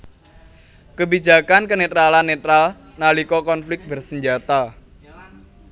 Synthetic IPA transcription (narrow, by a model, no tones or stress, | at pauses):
kəbid͡ʒa̤kankənet̪ɾalanːet̪ɾal | nalikɔkɔnflɪk̚t̚bərsəɲd͡ʒat̪a